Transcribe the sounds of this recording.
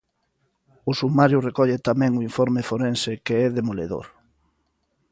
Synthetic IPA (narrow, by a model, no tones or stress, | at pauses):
ʊsumaɾjʊrekɔʎet̪amɛ̃ŋʊiɱfɔɾmefoɾẽnsɪkeɛðemoleðo̰ɾ